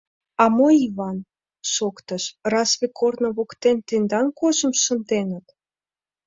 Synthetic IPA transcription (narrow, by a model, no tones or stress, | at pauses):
ɑmoiβɑn | ʃokt̪əʃrɑsβekornŏβokt̪ent̪end̪ɑnkoʒə̆mʃə̆nt̪enət̪